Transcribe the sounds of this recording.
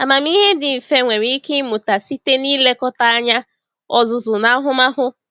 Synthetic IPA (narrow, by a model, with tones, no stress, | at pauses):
a˨ma˨m˦i˦ɦe˦dɪ˨m̩˨fe˦ŋʷe˨ɾi˦ke˦mʊ˨ta˨si˦te˦niː˦le˦kɔ˦ta˦a˦ɲa˦ | ɔ˨zʊ˨zʊ˨na˦ɦʊ˦ma˦ɦʊ˦